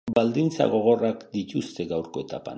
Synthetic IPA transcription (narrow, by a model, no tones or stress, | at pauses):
bald̪ɪnt͡sa̰ɣoɣoɾakd̪ɪt͡ʃʊst̪eɡawɾkot̪a̰pa̰n